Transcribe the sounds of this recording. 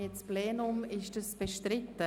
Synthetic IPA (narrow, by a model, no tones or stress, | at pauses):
ɛspleːnʊmɪʃdəsb̥eʃtrɪtːə